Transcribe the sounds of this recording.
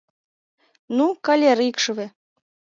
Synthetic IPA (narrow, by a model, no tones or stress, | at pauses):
nukɑlʲeɾikʃɤβe